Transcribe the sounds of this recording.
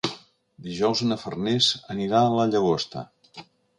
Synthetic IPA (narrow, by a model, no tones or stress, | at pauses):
d̪iʒɔwzənəfərnezəniɾaəlaʎəɣost̪ə̰